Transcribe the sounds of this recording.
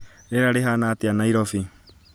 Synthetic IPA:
ɾeɾaɾeɦanatianaiɾɔfi

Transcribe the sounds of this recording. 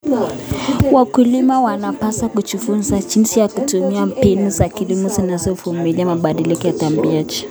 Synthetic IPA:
wakulimawanapasakut͡ʃufunzad͡ʒinsijakutumiam̩pinuzakilimuzinazɔfumiliamaɓaɗilikɔjatambiad͡ʒi̥

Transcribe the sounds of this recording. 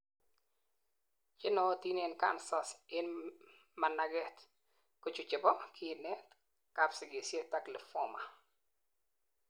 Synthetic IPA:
t͡ʃɪnɔtinenka̰nsasɪn | manaɡɛt̪ | kʊt͡ʃʊt͡ʃɪbɔkʰinɛt | kapsɪɡɪsjetaklɪfɔma

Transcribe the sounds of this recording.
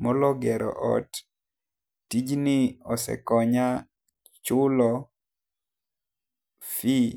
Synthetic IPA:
mɔlɔɡɛɾɔ̰ʔɔ̰t | tid͡ʒnɪɔsɛ̰kɔɲa | t͡ʃʊlɔ | fi

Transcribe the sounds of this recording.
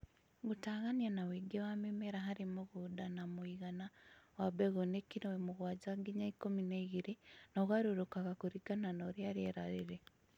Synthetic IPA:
ɣutaːɣanjanawiɡewamimeɾaɦaɾimoɣudanamuiɣanawabeɣonekinowemuɣwaːd͡ʒaɡiɲaikomineiɣiɾinoɣwaɾuɾokaβakuɾiɡananoɾjaɾeɾaɾiɾe

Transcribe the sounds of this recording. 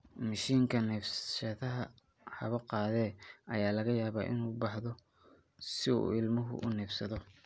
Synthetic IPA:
mɐʃiːŋkʰɐnɛːfʃɐðɐɦɐ | ħɑ̰βɐqɑːðɛːʔɐjaːlɐɣɐjaːβa̰ːʔɪ̰nuːbɑħðɔ | sɪṵɪlmɐɦʊ̰ʔʊ̰nɛːfsɐðɔ

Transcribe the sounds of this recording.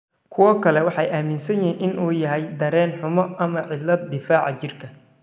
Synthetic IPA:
kʰʊwɔkʰɐlɛwɑħɑjʔaːmɪnsɐjinʔɪnʔuːjɐɦɛjd̪ɐɾɛːnħʊmɔʔɐmɐʕɪlːɐd̪ːɪfaːʕɑt͡ʃɪrkʰɐ

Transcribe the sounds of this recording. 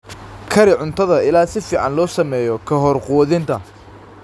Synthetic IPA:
kʰɐɾɪʕʊnt̪ʰɐðɐɪlaːsɪfiːʕɑnlɔːsɐmɛːjɔkʰɐɦɔrquːðɪnt̪ʰɐ

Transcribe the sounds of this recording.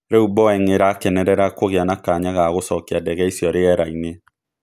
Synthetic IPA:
ɾeubɔɛŋeɾakɛnɛɾɛɾakoɣeanakaɲaɣaɣosɔkjadɛɣɛisjɔɾeɛɾaine

